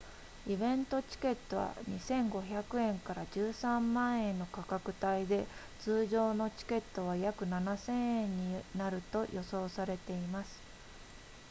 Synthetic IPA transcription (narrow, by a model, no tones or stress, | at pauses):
ibẽ̞nt̪o̞t͡ɕi̥ke̞t̪ːo̞βa̰ɲ̟isẽ̞ŋɡo̞çakɯ̟ẽ̞ŋkaɾaʑɨːsãmːãɰ̃ẽ̞nːo̞kakakɯ̟t̪aid̪e̞ | t͡sɨːʑo̞ːno̞t͡ɕi̥ke̞t̪ːo̞β̞ajakɯ̟nanasẽ̞ɰ̃ẽ̞ɲ̟ːinaɾɯ̟t̪o̞jʔo̞so̞ːsaɾe̞t̪e̞imasɨ̥